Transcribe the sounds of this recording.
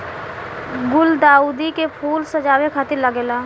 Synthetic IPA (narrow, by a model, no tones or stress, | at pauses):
ɡʊld̪aːuːd̪ikepʰuːlsɐd͡ʒaːwekʰaːt̪ɪɾlɐɡeːlaː